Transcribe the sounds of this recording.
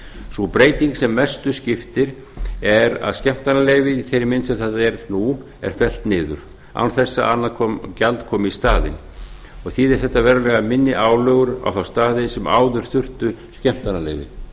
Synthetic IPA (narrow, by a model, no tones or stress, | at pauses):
supɾeːjt̪iŋksɛmːɛst̪ʏscɪft̪ɪɾ̥ | ɛɾa̰ðscɛm̥t̪analeːjvɪiθejɾɪmɪnsaθat̪aɛɾnu | ɛ̰ɾ̥fɛl̥t̪nɪːðʏ̰ɾ̥ | a̰wnθɛsːa̰ʔanːakʰɔcalt̪kʰɔːmɪist̪aːðɪ̰n | ɔɣθiðɛɾ̥θɛht̪ːavɛːɾʏlɛɣamɪnːɪʔaːwlœːɣʏɾa̰wθawst̪aːðɪsɛma̰ːwðʏɾ̥θʏr̥t̪ʏ | scɛm̥t̪analḛːjvɪ̰